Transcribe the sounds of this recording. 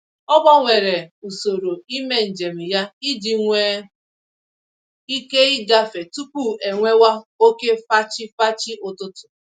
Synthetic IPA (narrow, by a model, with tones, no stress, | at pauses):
ɔ˦bɔ˦ŋʷe˨ɾe˨u˨so˨ɾo˨i˦me˦n̩˨d͡ʒe˨m̩˨ja˦i˦di˨ŋʷe˦ | i˦ke˦i˦ɡa˦fe˨tu˦ku˦˨e˨ŋʷe˦wa˦o˦ke˦fa˦t͡ʃi˦fa˦t͡ʃi˦ʔʊ˦tʊ˦tʊ̥˨